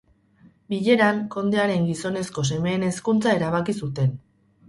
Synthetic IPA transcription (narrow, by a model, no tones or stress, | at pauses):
biʎe̞ɾaŋko̞nd̪eaɾe̞ŋɡiso̞ne̞sko̞se̞me̞ːne̞skunt͡sae̞ɾaβ̞akisut̪e̞n